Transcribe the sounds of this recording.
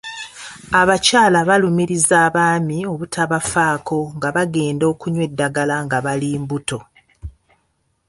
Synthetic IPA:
aβacaːlaβalumiɾizaːβaːmio̞βutʰaβafaːko̞ŋɡaβaɡe̞ːndo̞ːkuɲwe̞dːaɡalaŋɡaβaliːmbuto̞

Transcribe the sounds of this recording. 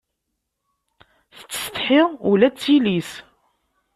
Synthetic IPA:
θə̥t͡sːə̥st̪ħiʁulæt͡sːilis

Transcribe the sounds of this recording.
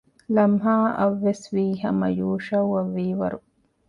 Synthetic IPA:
lɐmɦaːɐʋːeswiːɦɐ̰mɐ̰juːʃɐwɐʋiːwɐ̰ɾu

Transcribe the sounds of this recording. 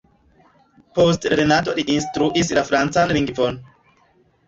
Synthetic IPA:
postɾenat̬o̞liʔinstɾuʔislafɾant͡sanliŋɡvon

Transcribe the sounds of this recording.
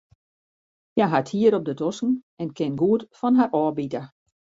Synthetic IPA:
jaɦathiːəɾɔp̚dədɔsn̩ | ɛnkʰɪnɡuətfɔnɦaɾʔɔːbitə

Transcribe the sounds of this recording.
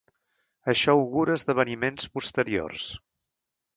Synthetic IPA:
əʃɔuɣuɾəzðəβ̞ənimenspust̪əɾio̰rs

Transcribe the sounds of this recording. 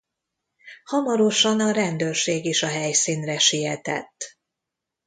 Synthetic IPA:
hɒmɒɾo̞ʃɒnɒɾɛnd̪øːrʃeːɡiʃɒɦɛjsiːnrɛʃijɛt̪ɛ̰t̪ː

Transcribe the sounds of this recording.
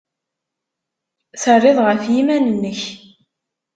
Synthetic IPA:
θərˤːɪðˤʁəfjimænənːəç

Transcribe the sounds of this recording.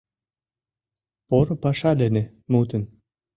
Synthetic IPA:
poɾɤ̆pɑʃɑd̪ə̆nĕ | mut̪ə̆n

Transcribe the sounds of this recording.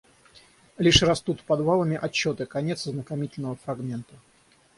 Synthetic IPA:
lʲiʂrɐst̪ut̪pɐd̪valˠəmʲɪʔɐt͡ɕːo̞t̪ɨkɐnʲe̞t̪sznəkɐmʲitʲɪlʲnəvəfɾɐɡmʲe̞nt̪ə

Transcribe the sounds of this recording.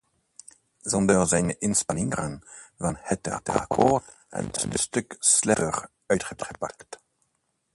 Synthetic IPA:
zɔndərzɛjnəʔɪnspanɪŋəʁənvɑnhɛtɛ̰tə̰rkʰo̰ | ɛ̰nɪdəstøkslɛər | œɥtχətχəpakt

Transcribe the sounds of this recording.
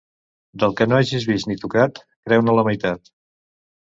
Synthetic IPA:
d̪əlˠkənoaʒizβist̪nit̪ukat̪ | kɾɛwnələməjt̪at̪

